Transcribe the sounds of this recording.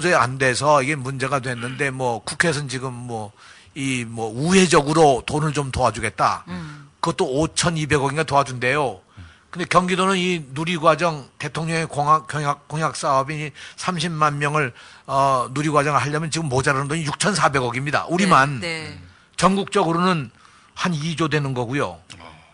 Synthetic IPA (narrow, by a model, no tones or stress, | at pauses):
d͡ʑɯa̰nde̞sʰʌiɡe̞mund͡ʑe̞ɡadwe̞nːɯnde̞mwʌkukʰes̬ʰɯnt͡ɕiɡɯmːwʌ | imwʌuɦe̞d͡ʑʌɡɯɾotonɯɭt͡ɕomtoad͡ʑuɡe̞t̚t͈a̰kɯɡʌt͈oot͡ɕʰʌnibe̞ɡʌɡiŋɡatoad͡ʑunde̞jo | kɯnde̞kjʌŋɡidonɯninuɾiɡwad͡ʑʌŋte̞tʰoŋɲʌŋekoŋakjʌŋak͈ːoŋjak̚s͈aʌbiisʰamɕʰimmanmjʌŋɯɭʌnuɾiɡwad͡ʑʌŋɯɭɦaɭːamjʌnt͡ɕiɡɯmːod͡ʑaɾanɯndʌɲijuk̚t͡ɕʰʌnsʰabe̞ɡʌɡimɲida̰ʔuɾiman | t͡ɕʌŋɡuk̚t͡ɕ͈ʌɡɯɾonɯn | hanid͡ʑodwe̞nɯnɡʌɡujo